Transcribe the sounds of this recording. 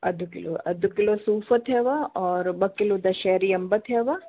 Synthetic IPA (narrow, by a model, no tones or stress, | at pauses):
ɐd̪ʱukɪlo̰ɐ̰d̪ʱukɪlosuːfət̪ɦɛʋaɔːɾbɐkːɪlod̪aʃɛːɾiɐmbət̪ɦɛːʋa